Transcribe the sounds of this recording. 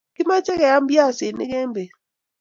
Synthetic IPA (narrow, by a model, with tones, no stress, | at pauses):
kɪ˦ma˦t͡ʃɛ˦kɛ˨a˦mbja˦˨sɪ˨nɪ̰˦kɛ˦mbe˨